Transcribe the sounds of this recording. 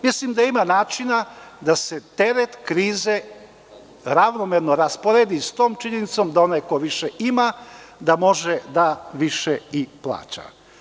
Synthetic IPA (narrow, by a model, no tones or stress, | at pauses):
mislimd̪aimanaːt͡ʃinad̪ase̞t̪e̞ɾet̪kɾiːze | ɾaʋnomeɾno̞ɾaspoɾeːd̪ist̪o̞ːmt͡ʃiɲenit̪so̞md̪ao̞najko̞ʋiʃeʔimad̪amo̞ʒed̪aʋiʃeiplˠa̰ːt͡ʃa̰